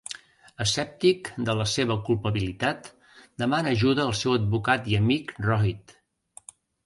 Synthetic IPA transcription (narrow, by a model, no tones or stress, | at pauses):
əsɛp̚t̪ikd̪ələseβ̞əkulˠpəβilit̪at̪ | d̪əmanəːʒuðəːlˠsɛwəd̪̚βukat̪iəmikrɔit̪